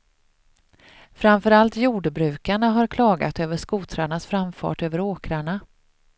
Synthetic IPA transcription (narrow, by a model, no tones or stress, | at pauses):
fɾamfœɾalt̪juːɖbɾʉ̟ːkaɳaɦaɾkʰlɑːɡa̰t̪øːvəʂkuːt̪ʰɾaɳasfɾamfɑ̰ːʈøːvəɾoːkɾaɳa